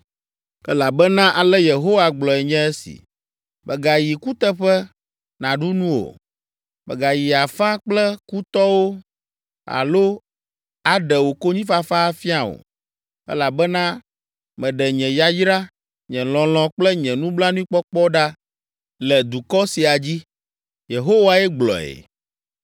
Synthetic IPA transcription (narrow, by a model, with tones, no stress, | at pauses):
ɛ˦la˨bɛ˦nã˦ʔa˨lɛ˦je˨ɦo˦wa˨ɡ͡blɔ˨ɛ˨ɲɛ̃˦ɛ˦sḭ˨ | bɛ˨ɡa˨ji˨ku˦t̪ɛ˦ɸɛ˦ | nã˨ɖu˦nũ˦wo̰˨ | bɛ̰˨ɡa˨ji˨a˨fã˦k͡plɛ˦ku˦t̪ɔ˦wo˦ | a̰˨lo˦ | a˨ɖɛ˨wo˨ko˦ɲĩ˦fa˦fa˦fi˦a˨wo̰˨ | ɛ̰˦la˨bɛ˦nã˦ | mɛ̃˨ɖɛ˨ɲɛ̃˨ja˦jɾa˦ | ɲɛ̃˨l̃ɔ̃˨l̃ɔ̃˨k͡plɛ˦ɲɛ̃˨nũ˦bla˦nũ˦ĩ˦k͡pɔ˦k͡pɔ˦ɖa˦ | lɛ˨d̪u˨kɔ˦si˨a˨d͡ʑi˦ | je˨ɦo˦wa˦ɛ˦ɡ͡blɔ̰˨ɛ̰˨